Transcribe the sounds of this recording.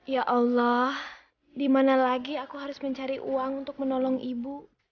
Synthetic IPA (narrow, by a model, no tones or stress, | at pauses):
jaʔalːɔh | dimanalaɡiakuɦaɾʊsməɲt͡ʃaɾiʔuaŋunt̪ʊk̚mənɔlɔŋibu